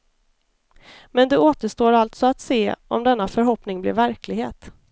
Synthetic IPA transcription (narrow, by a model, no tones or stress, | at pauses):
mɛnd̪ɵoːt̪əʂt̪oːɾalt̪sɔat̪seːʔɔ̰md̪ɛnːafœɾɦɔpnɪŋblɪ̰ɾvæɾklɪɡhḛːt̪